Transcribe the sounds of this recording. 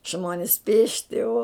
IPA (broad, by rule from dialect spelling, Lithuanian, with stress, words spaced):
ˈʒmoːnʲɪs ˈpʲeːʃʲtʲɪ oː